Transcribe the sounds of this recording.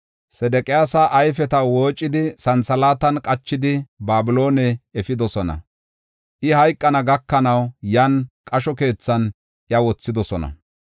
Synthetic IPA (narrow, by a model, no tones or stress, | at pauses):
sɛd̪ɛkʼɪjaːsɐʔːjfɛt̪ɐwoːt͡ʃʼːɪd̪ɪsɐnsɐlaːt̪ɐnkʼɐt͡ʃːɪd̪ɪbaːbɪlo̞ːnɛɛfɪd̪ɔsɔnɐ̰ | ʔɪhɐjkʼːɐnɐɡɐkːɐnɐwjankʼɐʃɔke̞ːt͡sːɐn | ʔjɐwɔt͡sːɪd̪ɔsɔnɐ̰